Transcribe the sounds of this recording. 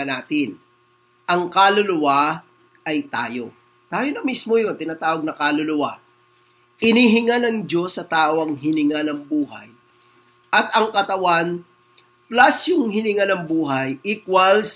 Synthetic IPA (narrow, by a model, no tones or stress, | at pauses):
naːt̪ɪn | ʔɐŋkalʊlʊwa | ʔɐjt̪aːjo̞ | t̪aːjonɐmismojo̞nt̪ɪnaːt̪aːwɐɡ̚nɐkaːlʊlʊwa | hɪniɦɪŋanɐŋd͡ʒo̞sːɐt̪aːʔo̞ɐŋɦɪnɪŋanɐŋbuːhɐ̰j | ʔɐt̪ɐŋkɐt̪ɐwan | plasjʊŋɦɪnɪŋanɐŋbuːɦɐjʔikwɐls